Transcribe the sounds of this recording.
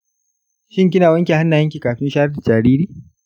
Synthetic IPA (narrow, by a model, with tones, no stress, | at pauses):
ʃɪ˦ŋkʲɪ˦naː˨wɐ˦ŋkʲe˨ha˦nːa˨jɐ˦ŋk̬ʲiː˨kaː˨ɸɪ˦nʃaː˦ɾɐ˦da˨d͡ʒaː˨ɾiː˦ɾiː˦˨